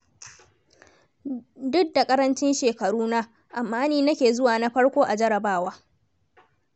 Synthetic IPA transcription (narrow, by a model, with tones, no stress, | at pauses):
dʊ˦ɡ̚da˨kʼɐ˦ɾɐ˦nt͡ʃɪ˦nʃeː˨kɐ˨ɽuː˦na˦ | ʔa˨mːaː˦niː˦nɐ˦kʲeː˨zʊ˦waː˨na˦ɸɐ˦ɽkʷoː˦ʔa˨d͡ʒɐ˦ɽɐ˨baː˦waː˦